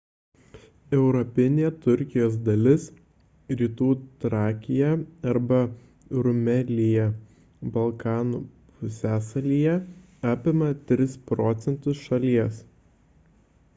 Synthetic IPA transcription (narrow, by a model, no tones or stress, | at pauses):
ɛʊɾɔpʲɪnʲeːt̪ʊɾʲkʲɪjoːs̬d̪ɐlʲɪs | ɾʲiːt̪uːt̪ɾɑːkʲɪjɛɐɾbɐ | ɾʊmʲɛlʲɪjɛ | bɐlˠkɑːnuː | pʊsʲæːsɐlʲiːjɛ | ɑːpʲɪmɐt̪ʲɾʲɪspɾɔːt̪sʲɛnt̪ʊsʃɐlʲiɛs